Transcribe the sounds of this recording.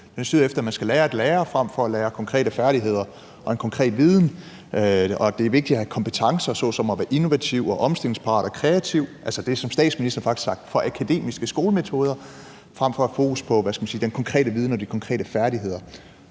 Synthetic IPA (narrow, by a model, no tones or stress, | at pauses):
d̥ensyðˠefd̥ɐæmænsɡ̥æleːɐed̥leːɐfʁam̰fɒ̽æleːɐkʰɒ̽ŋkʰʁɛ̰ːɾ̥əfæɐɾ̥iɦe̝ð̞̰ˠɐ | ʔɒ̽enkʰɒ̽ŋkʰʁɛ̰ːd̥ʋiːð̞ˠn̩ | ɒ̽d̥e̝æʋe̝ɡ̥̚d̥idɒhækʰɒ̽mpət͡sʰɑ̈ŋsɐsɒðsɒ̽mɒʋæːɐʔino̝ʋæt͡sʰiʊ̰ɒ̽ʔɒ̽msd̥e̝le̝ŋspʰɑ̈ːɾ̥ɒkʰʁɛæt͡sʰiʊ̰ʔælsɒd̥e̝æsɒ̽msd̥ɛ̰ːd̥sminisd̥ɐfɑ̈ɡ̥i̥sɑ̈ɡ̥̚d̥fɒ̽ʔækʰæd̥e̝̰ːmisɡ̥əsɡ̥o̝ːləme̝t͡sʰo̝ːð̞ˠɐ | fʁam̰fɒ̽æfo̝ːkʰuspʰɒ̽ʋæsɡ̥æmænsiːd̥enkʰɒ̽ŋkʰʁɛ̰ːɾəʋið̞ˠnəɒd̥ikʰɒ̽ŋkʰʁɛ̰ːdɾəfæɐɾiɦe̝ð̞̰ˠɐ